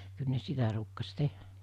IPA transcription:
kyl ne sitæ ruːkːɑs tehˑæ

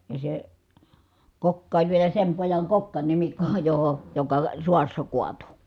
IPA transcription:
jɑ se kokːɑ olʲ ʋielæ sem pojɑŋ kokːɑnʲimikːo joho jokɑ suɑsːɑ kuɑtu

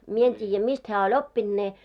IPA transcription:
mie en tʲiːjːæ mist hæː olʲ opːind̥ ne

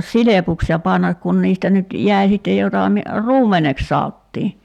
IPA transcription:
silepuks jɑ pɑnːɑk kun niːstæ nyt jæi̞ sitːe jotɑ mi ruːmˑeneks sɑotːiː

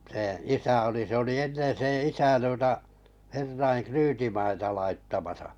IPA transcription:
sẽː isæ oli se oli enːen̞ sẽː isæ tuotɑ herːɑiŋ kryːtimɑitɑ lɑitːɑmɑsɑ̥

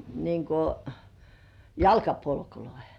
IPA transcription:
niŋ ko jɑlkɑpolkuloihe̥

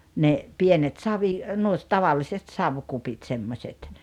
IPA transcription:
ne pienet sɑʋi nuo tɑʋɑlːiset sɑʋkupit semːosʲet

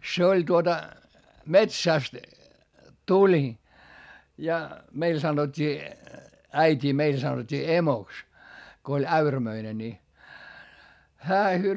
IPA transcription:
se olʲ tuotɑ metsæˑst tulʲ jɑ meil sɑnotʲːiː æitʲiː meil sɑnotʲːiː emoks ko olʲ æyræmøine ni hæː

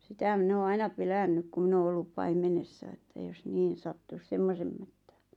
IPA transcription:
sitæ min oː ɑinɑ pelænːyk ku min oː olːup pɑimenesːɑ etːæ jos niːn̞ sɑtːus semːosem mætːæ̥ːn̥

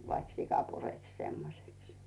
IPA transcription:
ʋɑik sikɑ pureks semːoseks

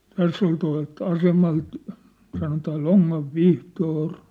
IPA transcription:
tæsː ol tuɑ̝lt ɑsemɑlt sɑnotɑː l̥oŋːɑʋ ʋihtoːr

